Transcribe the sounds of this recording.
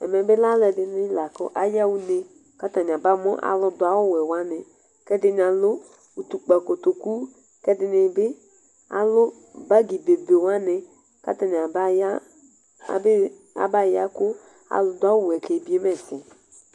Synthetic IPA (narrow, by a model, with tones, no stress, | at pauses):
ɛ̰˨mɛ˨bɪ˦la˦lɛ˨dɪ˨nɪ˦la˨kʊ̰˦ʔa˦ja˦wu˦ne˨ | ka˦ta˨ɲ˨a˨ba˦mɔ̰˦ʔa̰˨lʊ˦dʊ˨a˦wʊ˦wɛ˨wa˦nɪ˨ | kɛ˦dɪ˦n˨a˨lʊ˦ | u˨t̪u˨k͡pa˨ko˨t̪o˨ku˦ | kɛ˦dɪ˨nɪ˨bɪ˦ | a̰˨lʊ˦ | ba˦ɡi˨de˨be˨wa˦nɪ˨ | ka̰˦ta˨n˨a˨ba˦a˦˨ | bɪ˦ | a̰˨˦ba˦˨ja˦kʊ˦ | a̰˨lʊ˦dʊ˦a˦wʊ˦˨wɛ˨kɛ˨bi˦e˦mɛ˦˨sɪ˨